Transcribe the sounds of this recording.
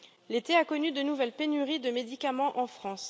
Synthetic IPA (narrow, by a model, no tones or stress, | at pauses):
let̪eakɔnyd̪ənuvɛlpenyʁid̪əmed̪ikamɑ̃ʔɑ̃fχɑ̃s